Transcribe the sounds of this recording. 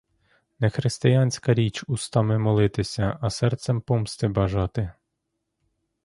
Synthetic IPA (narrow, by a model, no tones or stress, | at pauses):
nɛxɾɪst̪ɪjanʲsʲkɐɾʲit͡ʃust̪ɑmɛmɔlˠɪt̪ɪsʲɐʔɐsɛrt̪sɛmpɔmst̪ɪbɐʒɑt̪ɪ